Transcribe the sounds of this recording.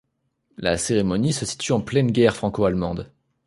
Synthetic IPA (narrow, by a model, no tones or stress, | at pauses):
la̰seʁemɔnisəsi̥t̪yɑ̃plɛnɡʲɛʁfχɑ̃koalmɑ̃d̪